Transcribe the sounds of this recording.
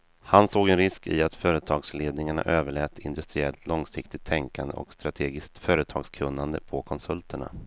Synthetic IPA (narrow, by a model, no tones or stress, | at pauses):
hansoːɡɛnɾɪskɪ̰at̪fœːɾət̪ʰɑːɡsleːd̪nɪŋaɳa̰ʔøːvəɭɛːt̪ɪ̰nd̪ɵst̪ɾɪɛlt̪ʰlɔŋsɪkt̪ɪt̪ʰːɛŋkand̪ə̰ʔɔ̰kst̪ɾat̪ʰeːɡɪskt̪fœːɾət̪ʰɑ̰ːɡskʰɵnːand̪ə̰pʰɔkʰɔnsɵlt̪ʰəɳa̰